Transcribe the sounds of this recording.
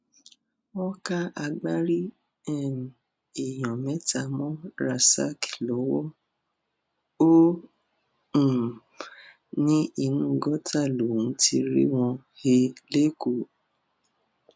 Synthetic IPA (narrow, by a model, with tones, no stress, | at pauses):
ɔ˦ka˦a˧ɡ͡ba˦ɾi˦ | ɛ˦˨m˨ | i˨j̃ɔ̃˨mɛ̃˨˦ta˦˨mɔ̃˦ɾa˨sa̰˦ki̥˨lɔ˨˦wɔ˦ | o˦˨ | nĩ˦i˧nũ˦ɡɔ˦ta˦˨lo˨ũ˨˦ti˧ɾḭ˦w̃ɔ̃˧ | he˧le˦ko˦˨